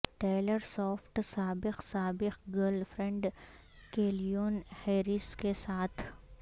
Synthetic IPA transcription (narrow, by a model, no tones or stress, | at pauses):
ʈeːləɾsɔːfʈsaːbɪqsaːbɪqɡəlɖfɾɛ̃ɳɖ | keːlijoːnheːɾɪskesaːt̪ʰ